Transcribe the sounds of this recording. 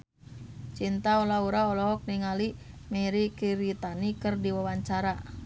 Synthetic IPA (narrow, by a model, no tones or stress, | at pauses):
t͡ʃint̪aɔlauɾaɔlɔɦɔk̚niŋali | miɾikiɾit̪anikɨrdiwawaɲt͡ʃaɾa